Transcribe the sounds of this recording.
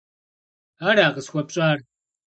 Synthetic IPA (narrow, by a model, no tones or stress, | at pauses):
aːɾaːʁəsxʷɐp̚ɕʼaːr